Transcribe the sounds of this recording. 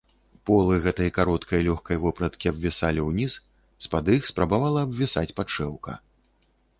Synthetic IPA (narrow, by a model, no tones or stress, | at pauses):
pɔlˠɨɣɛt̪ɐjɐkaɾɔt̪kʰɐjɐlʲɔxkɐjvɔpɾɐt̪kʲiɐbvʲisalʲiwnʲis | spad̪ɨxspɾabavalˠɐːbvʲisat͡sʲpat͡ʂɛwkɐ̰